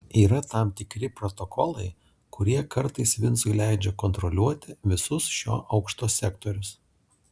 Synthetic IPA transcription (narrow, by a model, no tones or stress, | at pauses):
iːɾɐt̪ɐˑmt̪ʲɪkɾʲɪpɾɔt̪ɔkɔlˠɐɪ | kʰʊɾʲiɛkɐɾt̪ɐɪsʋʲɪnˑsʊɪlʲæˑɪd͡ʒʲɛkɔnt̪ɾɔlʲuɔt̪ʲɪʋʲɪsʊsʃʲo̰ːʔɐʊkʃt̪oːsʲɛkt̪oɾʲʊs